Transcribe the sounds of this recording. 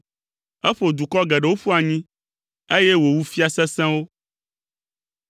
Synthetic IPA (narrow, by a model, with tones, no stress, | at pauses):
ɛ˦ɸo˨d̪u˨kɔ˦ɡɛ˨ɖe˨wo˦ɸu˦a˨ɲĩ˦ | e˦je˦wo˨wu˦fi˦a˨sɛ̃˦sɛ̃˦wo˦